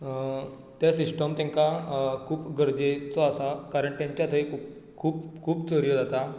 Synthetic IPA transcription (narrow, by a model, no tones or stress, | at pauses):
t̪jasisʈəmt̪ãŋkakʰuːpɡʱəɾd͡ʑet͡sɔasakaɾəɳʈt̪jãɲt͡ɕjat̪ʰəikʰup | kʰuːpkʰuːpt͡səɾijəd͡zat̪a